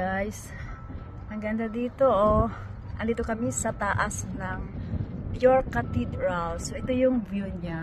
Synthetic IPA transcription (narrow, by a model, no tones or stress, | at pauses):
ajs | ɐɡɐnd̪ad̪iːt̪oʔo | ʔɐnd̪it̪okɐmisɐt̪aʔasnɐŋ | joɹkat̪id̪ɾalsoʔɛt̪ojʊŋbjuɲa